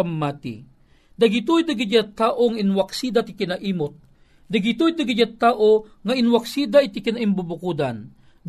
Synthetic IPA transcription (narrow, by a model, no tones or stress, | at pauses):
amːaːt̪ḭ | d̪ɐɡɪt̪ujd̪ɐɡɪd͡ʒat̪aːʔoŋaʔɪnwaksiːd̪at̪ɪkɪnaʔiːmot̪̚ | d̪ɐɡɪt̪od̪aɡɪd͡ʒat̪aːʔoŋɐɪnwaksiːd̪aʔɪt̪ɪkɪnaʔɪmbubʊkud̪an | d̪